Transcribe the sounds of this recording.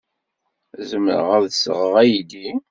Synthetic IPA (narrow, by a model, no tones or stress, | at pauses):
zəmə̰ɾə̰ʁæɾðəsə̰ʁəʁæjid̪i